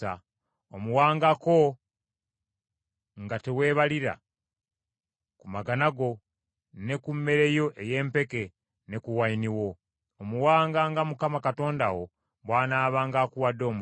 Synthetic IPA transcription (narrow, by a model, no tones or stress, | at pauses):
a | omuwaːŋɡako̞ | ŋɡate̞we̞ːβaliɾa̰ | kumaɡanaɡo̞ | ne̞kumːe̞ɾe̞jo̞ʔe̞je̞ːmpe̞ke̞ | ne̞kuwainiwo̞ː | muwaːŋɡaŋɡamukamakato̞ːndawo̞ | βwaːnaːβaːŋɡaːkuwadːo̞ːmu